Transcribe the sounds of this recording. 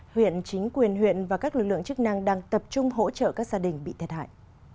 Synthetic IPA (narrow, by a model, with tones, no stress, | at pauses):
hwḭ˧˨ənt͡ɕï˨˦ŋ̟kwi˨˩ənɦwḭ˧˨ənvaː˨˩kaː˦˥k̚lɨ˨˩k̚lɨ̰˧˨əŋt͡ɕɨ˦˥k̚na˧ŋɗaː˧ŋt̪ə˨˩p̚t͡ɕʊ˧ŋ͡mɦo̰˧˥t͡ɕə̰ː˧˨kaː˦˥k̚zaː˧ɗï˨˩ŋ̟ɓḭ˧˨t̪ʰt̚ha̰ː˧˨jʔ